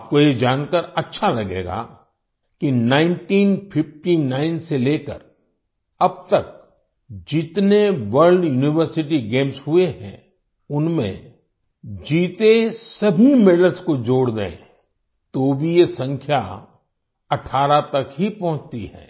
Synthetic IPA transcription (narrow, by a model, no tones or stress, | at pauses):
aːp̚kojed͡ʒaːnkəɾɐtːʃʰalɐɡḛːɡa̰ | kinãːɪ̃nʈiːnpʰɪfʈinaːɪnseleːkə̰ɾ | ɐb̚t̪ɐk̚ | d͡ʒɪt̪neʋəɾlɖjuːnɪʋəɾsɪʈiɡẽːmsɦueɦɛ̰̃ | ʊnmḛ̃ | d͡ʒiːt̪esɐbʱimɪɖəlskod͡ʒoːɽd̪eḛ̃ | t̪obʱijesɐ̃ŋkʰja | ɐʈʰaːɾat̪ɐkɦipɐ̃ɦʊ̃t͡ʃt̪iɦɛ̰ː